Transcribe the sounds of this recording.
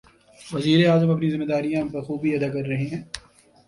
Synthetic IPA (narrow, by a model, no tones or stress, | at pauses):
ʋɐziːɾeaːzəmɐpnizɪmːed̪aːɾijãpɐɾxuːbʱiɐd̪akɐɾːɐɦeɦɛ̃ː